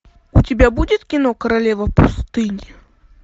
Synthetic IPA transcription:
ut͡sʲabʲabud͡zʲɛt̪ʲkʲinɔkɐɾalʲɛvɐpust̪ɨnʲi

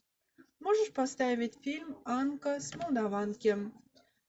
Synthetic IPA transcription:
moʒəʃpɑst̪ɑvʲitʲfʲilʲmɑnkəsmolˠd̪ɑvɑnkʲem

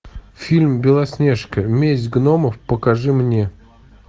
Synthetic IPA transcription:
fʲilʲmbʲɪlˠɐsʲnʲeʂkəmʲezʲɡnoməfpəkɐʐɨmnʲe

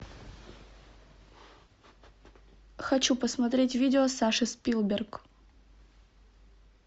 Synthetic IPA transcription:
xɐt͡ɕupəsmɐt̪ɾʲetʲvʲidʲɪosaʂɨspʲilˠbʲɪrk

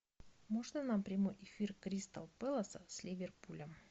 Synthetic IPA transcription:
moʐnənampɾʲɪmojʔɪfʲirkɾʲist̪ə̰lˠpɛlˠəsəsʲlʲivʲɪrpulʲəm

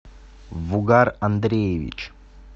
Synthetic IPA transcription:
ʋuɡaːɾɐnd̪ɾeʋḭt͡ʃ

